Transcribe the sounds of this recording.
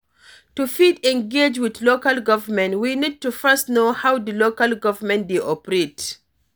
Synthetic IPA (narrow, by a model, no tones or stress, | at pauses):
tufidɛ̃nɡed͡ʒwidlokalɡɔvəmɛ̃ntwinid̚tufɛstnohawd̪ilokalɡɔvəmɛ̃ndeʔɔpəɹet